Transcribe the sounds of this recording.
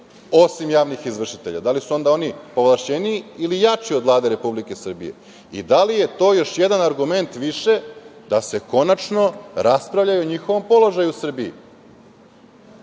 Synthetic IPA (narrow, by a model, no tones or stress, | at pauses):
o̞simjaːʋnixizʋr̩ʃit̪e̞ʎa̰d̪alisuo̞nd̪ao̞nipo̞ʋlˠaʃt͡ɕe̞niːilijat͡ʃiod̪ʋlˠaːd̪eɾe̞publike̞sr̩bḭje̞̰ | ḭd̪alije̞t̪o̞ːjo̞ʃjed̪anaɾɡume̞nt̪ʋiʃe̞d̪ase̞ko̞nat͡ʃno̞ɾaspɾaʋʎajuoɲixo̞ʋo̞mpo̞lˠo̞ʒajusr̩biḭ